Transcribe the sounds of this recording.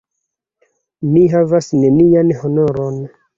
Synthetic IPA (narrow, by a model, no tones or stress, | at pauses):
miɦavasne̞nianho̞no̞ɾon